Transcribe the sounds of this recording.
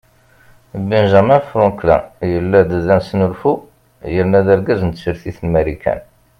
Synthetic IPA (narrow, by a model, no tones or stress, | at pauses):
binʒæmæfɾɔklæ̰jəlːæd̪ðænsnʊlfu | jəɾnæðæɾɡæzənt̪səɾθiθnmæɾikʰæ̰n